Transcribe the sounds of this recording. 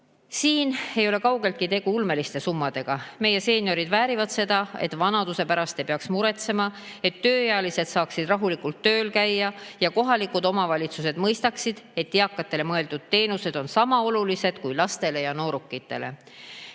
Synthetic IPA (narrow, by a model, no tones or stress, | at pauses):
siːne̞jo̞le̞kɑwɡ̥e̞lt̪̚kit̪e̞ɡ̥uulme̞list̪e̞sumːɑd̪̥e̞ɡ̥ɑme̞je̞se̞ːnʲjo̞ɾid̪væːɾivɑd̪̥se̞d̪̥ɑe̞̰t̪ːvɑnɑd̪use̞pæɾɑst̪e̞jpeɑksmuɾe̞t̪se̞mɑ | e̞t̪ːø̞ːjeɑlise̞d̪̥sɑːksid̪rɑɦulikˑult̪ːø̞ːlkæjːɑjɑko̞ɦɑlikud̪o̞mɑvɑlʲit̪suse̞d̪̥mɤjst̪ɑksid̪̥e̞t̪ːiɑkːˑɑt̪ːˑe̞le̞mɤe̞ld̪ud̪̥̚t̪ːe̞ːnuse̞d̪̥o̞nsɑmɑo̞lulise̞d̪̥kujlɑst̪e̞le̞jɑno̞ːɾukːˑit̪ːˑe̞̰le̞̰